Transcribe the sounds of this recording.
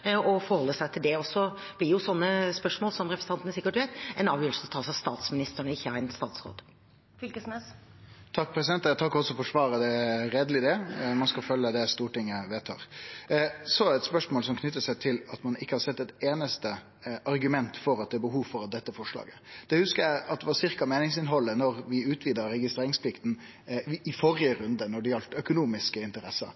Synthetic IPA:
ɔfɔɾhɔlːəsæɪt̪ʰɪld̪ɛɔsːɔ | b̥lɪjʊsɔnːəspœʂmoːlsɔmɾɛpɾəsə̥ɑnt̪ənəsɪkːəʈʋeɪt̪ɛnɑːʋjøːlsəɔt̪ʰɑːsɑst̪ɑːt̪smɪnɪst̪əɳəɪçːəæɪnəst̪ɑ̰ːt̪sɾo̰ːd̪ | fʏlkəsmɛs | t̪ʰɑkːpʰɾɛsɪd̪ɛnt̪t̪ʰɑkːɔsɔfɔʂʋɑːɾəd̪ɛɾeːd̪əlɪd̪ɛmɑnskɑfœlːəd̪ɛst̪uːʈɪŋːəʋeːt̪ʰɑ̰ːɾ | sɔæɾɛt̪spœʂmoːlsɔmkʰnʏt̪ːəsæɪt̪ʰɪlɑt̪mɑnɪkːəhɑɾsɛt̪ːɛt̪eːnəst̪ə | ɑɾɡʉmɛnt̪fɔɾɑt̪̚d̪ɛæɾbəɦuːʋfɔɾɑt̪̚d̪ɛt̪ːəfɔʂlɑ̰ːɡəd̪̥ɛhʉskəjæɪɑt̪̚d̪ɛʋɑsɪʁkɑmeːnɪŋsɪnɦɔlːənɔɾʋɪʉːt̪ʰʋiːd̪əɾɛɡɪst̪ɾeːɾɪŋspʰlɪkt̪n̩ | ɪfɔɾɪəɾʉnd̪ənɔɖɛjɑlt̪œkʊnuːmɪskəɪnt̪əɾɛsːə̰

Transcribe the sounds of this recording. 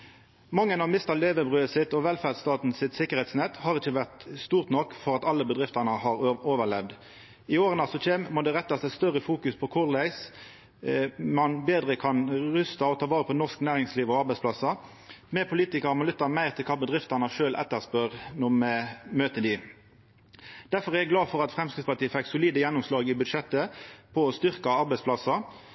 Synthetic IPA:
mɑŋːənɑʋmɪst̪ɑleːʋəbʁøːəsɪt̪ɔʋɛlfæʁd̪st̪ɑːt̪n̩sɪt̪sɪkəʁhɛɪt̪snɛt̪ːhɑːʁɪçəʋæʁt̪st̪uːʁt̪nɔkːfɔʁɑt̪ɑlːəbəd̪ʁɪft̪ɑnəhɑʁoːʋəʁlɛʋd̪ | ɪoːʁənɑsɔc͡çeːmmɔd̪ɛʁɛt̪ːɑsæst̪œʁəfuːkʉspʰɔkʰʊʁlæɪs | mɑnbeːd̪ʁəkʰɑnʁʉst̪ɑɔt̪ʰɑːʋɑːʁəpʰɔnɔsknæːʁɪŋsliːʋɔɑɾbɛɪsplɑsɑ | mɛpʰʊliːt̪ɪkɑʁmɑnlʏt̪ːɑmæɪʁt̪ʰɪlkʰɑːbəd̪ʁɪft̪ɑnɑʂøːlʔɛ̰t̪ːəʁspœʁnɔmɛmøːt̪əd̪ɪ | d̪̥æɾfɔʁɛɡlɑːfɔʁɑt̪fʁɛmskʁɪt̪spɑʈ̪iːəfɛkːsʊliːd̪əjɛnːʊmslɑːɡɪbʉd̪ʂɛt̪ːəpʰɔɔst̪ʏʁkɑɑɾbæɛɪspʰlɑsɑ

